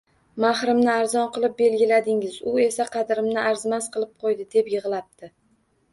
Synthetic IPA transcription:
maχɾɪmnɪaɾzɒnqɨlˠɪp̚be̞lɡʲɪlad̪ɪŋɪzʊe̞saqʰɑd̪ɾɪmnɪʔaɾzmasqʰɨlˠɪp̚qʰojd̪ɪd̪e̞pjɨʁlˠap̚t̪ʰɪ

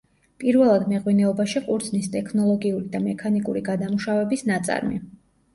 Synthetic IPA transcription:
pʼiɾvɛlˠad̪mɛʁwinɛɔbaʃiqʼuɾd̪znist̪ʼɛkʰnɔlˠɔɡiuɾid̪amɛkʰanikʼṵɾiɡad̪amuʃavɛbisnat̪sʼa̰ɾmḭ

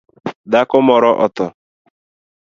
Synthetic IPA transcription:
dakʊmɔɾɔʔɔ̰tɔ

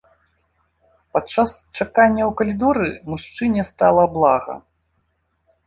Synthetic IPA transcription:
pat͡ʂːast͡ʂakanʲːɐwkɐlʲid̪ɔɾɨmuʂt͡ʂɨnʲɛst̪alˠɐblˠaɣɐ̰

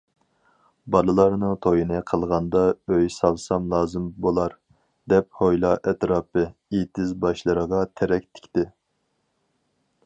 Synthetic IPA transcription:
bɑlˠɨlˠɑɾnɨŋt̪ʰojinɨqʰəlˠʁɑnd̪ɑøjsɑlˠsɑmlˠɑːzɨmbolˠɑɾ | d̪ɛp̚hojlˠɑʔɛt̪ɾɑːpɨit̪ʰɪzbɑʃlˠɨɾəʁɑt̪ʰɛɾɛk̚ʲt̪ʰɪ̥kʲt̪ɪ

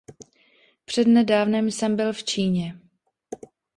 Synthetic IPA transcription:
pr̝̥ɛdnɛdaːvnɛmsɛmbɪlft͡ʃiːɲɛ

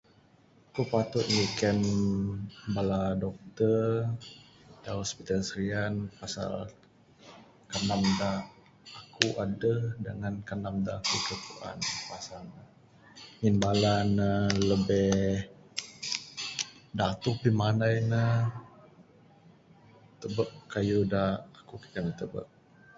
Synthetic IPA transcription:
kopat̪ʊt̪̚ŋikən | baladɔk̚t̪ər | dahɔspit̪alsəɾianpasa̰l | kanamda | akʰuʔadəhdəŋankanamdakəkəkuʔa̰npasala | ŋinbalanələbɛh | dat̪ʊpimanajnə | t̪əbəʔkajudahakuki̥k̪anət̪əbə̰ʔ̚

